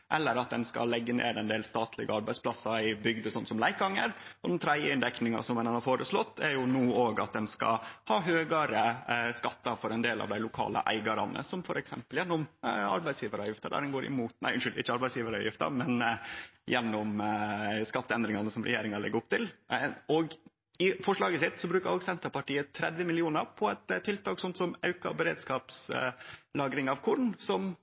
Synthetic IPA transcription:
ʔɛlːəɾɑt̪̚d̪ɛnskɑ̰lːɛɡːənḛːɾəɛnd̪eːlst̪ɑːt̪ʰlɪ̰ɡəɑɾbæɪspʰlɑsɑɪbʏɡd̪əsɔnːsɔmlæɪkɡɑŋːəɾʔɔd̪ɛnt̪ʰɾæd̪jəɪnd̪ɛknɪŋɑ̰sɔmɛnɑnɑɾfoːɾəslɔt̪ːæɾjʊnuːoːɡɑt̪̚d̪ɛnskɑ̰hɑːɦøːɡɑɾəskɑt̪ːɑfɔɾɛnd̪eːlɑ̰ʋd̪æɪʊkʰɑ̰ːlə̰ʔæ̰ɪɡɑɾɑnə̰sɔmfɔɾɛksɛmpəljɛnːʊmɑ̰ɾbæɪsjiːʋəɾɑjɪft̪əd̪æ̰dɛnɡoːɾɪ̰muːt̪næ̰ɪʔʉnʃʏld̪ɪɪ̰çːəɑɾbæɪsjiːʋəɾɑ̰jɪft̪ɑ̰mɛnjɛnːɔm | skɑt̪ːəɛnd̪ɾɪŋɑnəsɔmɾʔɛ̰jeːɾɪŋɑɭɪɡəɾʊpt̪ʰɪlɔɡ | ɪfɔʂɭɑːɡəsɪt̪ːsɔbɾʉːkəɾoːɡsɛnt̪əɾpɑʈiːət̪ʰɾɛd̪ʋəmɪlɪuːnəɾpʰɔɛt̪t̪ʰːɪlt̪ʰɑːksɔnt̪sɔmɑʉkɑ̰bəɾḛːd̪skɑːps | lɑːɡɾɪŋɑʋkʰʊɖɳ̩sɔm

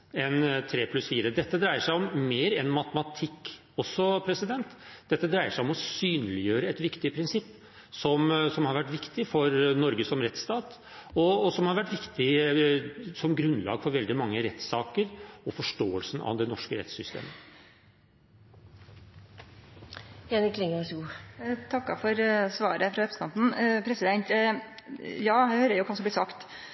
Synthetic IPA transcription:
ɛnt̪ʰɾeːpʰlʉsfiːɾəd̪ɛt̪ːəd̪ɾæɪəʂæɪɔmmeːɾɛnmɑt̪əmɑt̪ʰɪkː | ɔsːɔpʰɾɛsɪd̪ɛnt̪d̪̥ɛt̪ːəd̪ɾæɪəʂæɪɔmɔsyːnlɪjøːɾəɛt̪ʋɪkt̪ɪəpʰɾɪnsɪpː | sɔmsɔmhɑɾʋæʈːʋɪkt̪ɪfɔɾnɔɾɡəsɔmɾɛt̪st̪ɑːt̪ | ɔsɔmhɑɾʋæʈːʋɪkt̪ɪ | sɔmɡɾʉnːlɑːɡfɔɾʋɛld̪ɪmɑŋːəɾɛt̪sɑːkəɾɔfɔʂʈoːəlsn̩ɑ̰d̪ɛnɔʂkəɾɛ̰t̪sʏst̪ḛːmə | jɛnɪkʰlɪŋəsuːt̪ʰɑkːɑ̰fɔɾsʋɑːɾəfɾɑʋɛpsnɑ̰nt̪n̩pʰɾɛsɪd̪ɛnt̪ | jɑːhøːɾəɾjʊkʰɑsɔmblɪsɑkt̪

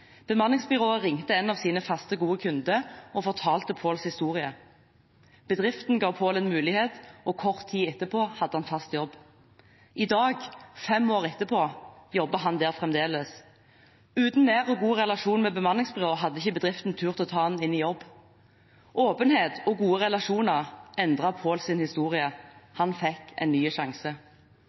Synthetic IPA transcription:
b̥əmɑnlɪŋsbʏʁoːəʁɪŋt̪əɛnɑʋsiːnəfɑst̪əɡuːəkʰʉnd̪əɔfɔʁt̪ʰɑːlt̪əpʰoːlshɪst̪uːʁɪə | b̥əd̪ʁɪft̪n̩ɡɑːʋpʰoːlənmʉːlɪheːt̪ʔɔkʰɔʁt̪ʰːiːɛt̪ːəpʰoːhɑd̪ːəhɑnfɑst̪jɔb | ʔɪd̪ɑːɡfɛmoːʁɛt̪ːəpʰoːjɔbəɦɑnd̪eːʁfʁɛmd̪eːləs | ʉːt̪n̩ːeːʁɔɡuːʁɛlɑʃuːnmɛːbəmɑnlɪŋsbʁoːɦɑd̪ːəɪçəbəd̪ʁɪft̪n̩t̪ʰʉːʁt̪ɪɔːt̪ʰɑːɑnɪnːɪjɔbː | ʔoːpənheːt̪ɔɡuːəʁɛlɑʃuːnəʁɛnd̪ʁɑpʰoːlsɪnhɪst̪uːʁɪəhɑnfɛkːɛ̰ɪnnyːʃɑŋsə

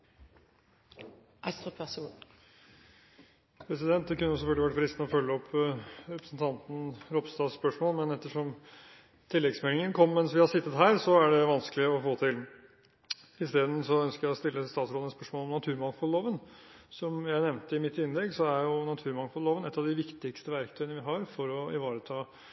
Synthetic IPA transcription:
ʔɑst̪ɔɛs | pʰɾɛsɪd̪ɛnt̪̚d̪ɛkʉnːəjʊsɛfœɡəlɪʋæʈːfɾɪst̪nəɔfœlːəɔpʰːɾɛpɾəsn̩t̪ʰɑnt̪n̩ɾɔpst̪ɑːsspœʂmoːlmɛnɛt̪ːəʂɔm | t̪ʰɪlːɛɡsmɛːlɪŋənkʰɔmːɛnsʋɪhɑsɪt̪ːət̪ɦæːɾsɔæɖɛʋɑnsklɪɔfoːt̪ʰɪl | ɪst̪eːd̪n̩sɔœnskəɾjæɔst̪ɪlːəst̪ɑːt̪sɾoːd̪nɛspœʂmoːlɔmnɑt̪ʰʉːɾmɑŋfɔlloːʋənsɔmjæɪnɛʋnt̪əɪmɪt̪ːɪnːlɛɡsɔæɾjʊnɑt̪ʰʉːɾmɑŋfɔlloːʋənɛt̪ːɑʋd̪ɪʋɪkt̪ɪkst̪əʋæɾkt̪ʰœʏənəʋɪɦɑɾfɔɾɔɪ̰ʋɑːɾət̪ʰɑː

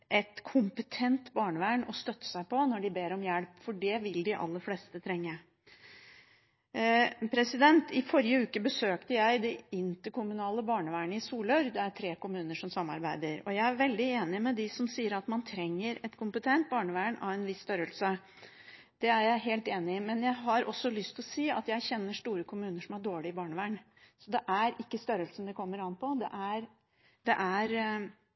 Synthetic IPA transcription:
ʔɛt̪kʰʊmpət̪ʰɛnt̪bɑːɳəʋæːɳɔst̪œt̪ːə̥sæɪpɔnɔɖɪbeːɾɔmjælpfɔɖɛʋɪld̪ɪʔɑ̰lːəɾfleːst̪ət̪ʰɾɛŋːə | pʰɾɛsɪd̪ɛnt̪ɪfɔɾɪəʉːkəbəsøːkt̪əjæɪd̪ɛɪnt̪əɾkʰʊmʉnɑːləbɑːɳəʋæːɳəɪsuːlœɾd̪ɛæɾʈʰɾeːkʊmʉːnəʂɔmsɑmːɑ̰ɾbæɪd̪əɾɔ̰jæɪæɾʋɛld̪ɪeːnɪmɛd̪ɪsɔmsiːəɾɑt̪mɑnt̪ʰɾɛŋːəɾɛt̪kʰʊmpət̪ʰɛnt̪̚bɑːɳəʋæːɳɑ̰ʋɛnʋɪsːt̪œɾəlsə | d̪̥ɛæɾjæɪɦeːlt̪eːnɪɪmɛnjæɪɦɑɾʔɔsːɔlʏst̪ʰɪlɔsiːɑ̰t̪jæɪçɛnːəʂt̪uːɾəkʰʊmʉːnəʂɔmæɖoːɭɪɪbɑːɳəʋæːɳ | sɔd̪ɛʔæɾʔɪkːəst̪œɾəlsn̩d̪ɛkʰɔmːəɾɑnːpʰɔd̪ɛ̰ʔæɾ | d̪̥ɛ̰ʔæɾ

